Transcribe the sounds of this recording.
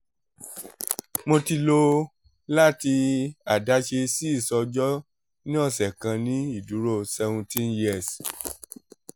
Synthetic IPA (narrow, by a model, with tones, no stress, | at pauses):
mo˧ti˧lo˧ | la˦ti˧a˨da˨˦ʃe˧si˦i˦˨sɔ˧d͡ʒɔ˦ | nĩ˦ɔ˦˧˨sɛ˨kã˧nĩ˨˦i˦˨du˨˦ɾo˦˨sɛ˧vũ˧tĩ˦nji˦ɛ˨s